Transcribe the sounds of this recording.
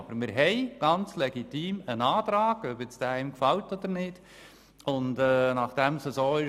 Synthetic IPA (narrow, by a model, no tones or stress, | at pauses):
b̥əɾmɪɾɦɛɪɡ̥ɑnt͡slɛɡitiːmənɑːtɾɑːɡ̥œbjɪt͡sd̥ɛɪmkfaltɔd̥̪əɾnɪd̥ | ʊndɛnɑχd̥ɛmsəsoːɪ